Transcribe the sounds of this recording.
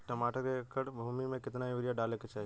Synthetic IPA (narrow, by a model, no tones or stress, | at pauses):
ʈəmaːʈəɾkekəɽbʱuːmimẽkɪt̪naioɾijaɖaːleket͡ʃaːɦie